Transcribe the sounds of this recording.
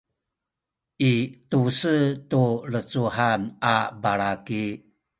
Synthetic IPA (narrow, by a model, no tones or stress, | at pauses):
ʔitusətulət͡suhanabaɾaki